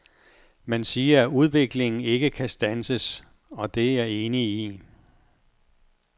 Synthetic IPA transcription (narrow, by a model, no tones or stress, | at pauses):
mænsiːɐæʔuð̞ˠʋe̝ɡ̥le̝ŋn̩e̝ɡ̥əkʰæsd̥ænsəs | ɒ̽d̥e̝æɐe̝ːnii